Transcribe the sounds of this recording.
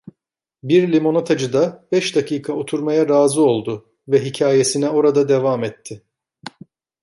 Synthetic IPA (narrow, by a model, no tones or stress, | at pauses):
biɾlʲimo̞not̪ʰad͡ʒɯd̪abɛʃd̪akiːkʰao̞t̪ʰuɾmajaɾaːzɯo̞lˠd̪ʊ | vɛɦicʰaːje̞sinɛo̞ɾad̪ad̪evamɛt̪ʰːɪ